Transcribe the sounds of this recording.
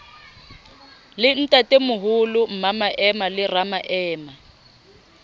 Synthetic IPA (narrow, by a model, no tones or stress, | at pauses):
lɪn̩tʼatʼemʊɦʊlʊm̩mamaʔɛmalɪramaʔɛːma